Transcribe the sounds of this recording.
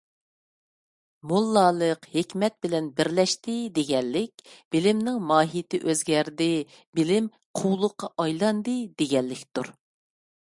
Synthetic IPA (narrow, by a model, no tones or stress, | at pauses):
molˠːɑːlˠəqhekʲmɛt̪̚bɪlɛnbɪɾlɛʃt̪ʰɪd̪eɡʲɛlːɪkʲb̥ɪlɪmnɪŋmɑːɦit̪ʰɪʔøzɡʲɛɾd̪ɪ | bɪlɪm | qʰuwlˠʊqʰːɑʔɑjlˠɑnd̪ɨd̪eɡʲɛlːɪkʲt̪uɾ